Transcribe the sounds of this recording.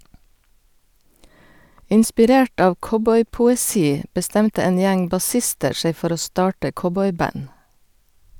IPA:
ɪnspɪˈɾeːʈ ˈɑːʋ ˈkɔbɔʏpʊɛˌsiː bəˈstɛmtə ˈeːn ˈjæŋ bɑˈsɪstəɾ ˈʃeɪ ˈfɔɾ ˈoː ˈstɑːʈə ˈkɔbɔʏˌbɑn

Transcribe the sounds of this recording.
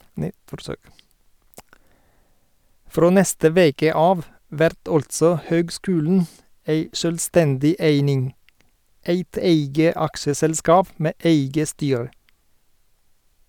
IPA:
ˈfɾoː ˈnɛstə ˈʋeːkə ˈɑːʋ ˈʋæɾt ˈɔltsɔ ˈhøːɡˌskʉːln̩ ˈeɪ ʃœlˈstɛndɪ ˈeɪnɪŋ ˈeɪt ˈeɪɡə ˈɑkʃəsɛlˌskɑːp ˈmeː ˈʔeɪɡə ˈstyːɹə

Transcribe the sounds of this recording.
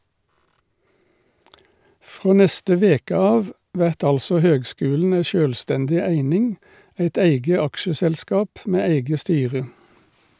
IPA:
ˈfʁoː ˈnɛstə ˈʋeːkə ˈɑːʋ ˈʋæʁt ˈɑlsɔ ˈhøːɡˌskʉːln̩ ˈæɪ ˈʃøːlˌstɛndɪ ˈæɪnɪŋ ˈæɪt ˈæɪɡə ˈɑkʃəsɛlˌskɑːp ˈmeː ˈæɪɡə ˈstyːʁə

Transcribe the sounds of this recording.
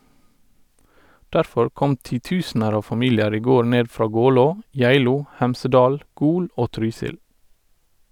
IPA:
ˈdæɾfɔɹ ˈkɔm tiːˈtʉːsnəɾ ˈɑːʋ fɑˈmiːljəɾ ˈiː ˈɡoː ˈɳeː ˈfɾɑː ˈɡɔloː ˈjæɪluː ˈhæmsəˌdɑːl ˈɡuːl ˈʔoː ˈtɾyːsɪl

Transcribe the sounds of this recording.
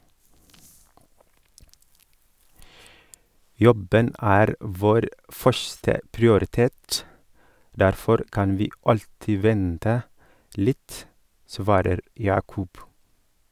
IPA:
ˈjɔbən ˈæːɾ ˈʋoːɾ ˈfœʃθə pɹɪʊɾɪˈteːt ˈdæɾfɔɾ ˈkɑn ˈʋiː ˈɑʎtɪ ˈʋɛntə ˈlɪt ˈsʋɑːɾəɾ ˈjɑːkʊb

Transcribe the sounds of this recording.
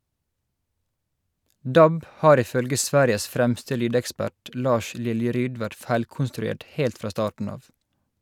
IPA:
ˈdɑb ˈhɑːɾ ˌɪˈfœlɡə ˈsʋæːɾɪəs ˈfɾæmstə ˈlyːdɛkˌspæʈ ˈlɑːʃ ˈlɪljəˌɾyːd ˈʋæʈ ˈfæɪlkʊnstɾʉˌeːʈ ˈheːlt ˈfɾɑː ˈstɑːʈɳ̩ ˈɑːʋ

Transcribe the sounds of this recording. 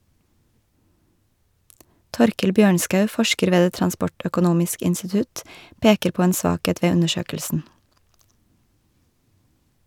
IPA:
ˈtɔɾkəl ˈbjøːɳskɑʉ ˈfɔʃkəɾ ˈʋeː ˈdeː tɾɑnˈspɔʈœkʊˌnuːmɪsk ɪnstɪˈtʉt ˈpeːkəɾ ˈpoː ˈeːn ˈsʋɑːˌkeːt ˈʋeː ˈʉnəˌʃøːkəlsn̩

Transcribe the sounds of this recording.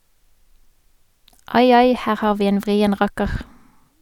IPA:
ˈɑɪ ˈɑɪ ˈhæːʁ ˈhɑːʁ ˈʋiː ˈeːn ˈʋʁiːən ˈʁɑkəʁ

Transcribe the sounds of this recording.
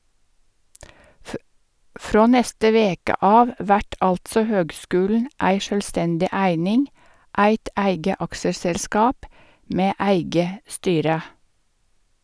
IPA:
ˈfɾoː ˈnɛstə ˈʋeːkə ˈɑːʋ ˈʋæʈ ˈɑltsɔ ˈhøːɡˌskʉːlɳ̩ ˈæɪ ˈʃøːlˌstɛndɪ ˈæɪnɪŋ ˈʔæɪt ˈæɪɡə ˈɑksəsɛlˌskɑːp ˈmeː ˈæɪɡə ˈstyːɾə

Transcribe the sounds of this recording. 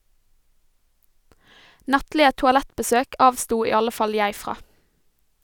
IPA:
ˈnɑtlɪə tʊɑˈlɛtbəˌsøːk ˈɑːʋstuː ˈiː ˈɑlə ˈfɑl ˈjæɪ ˈfʁɑː

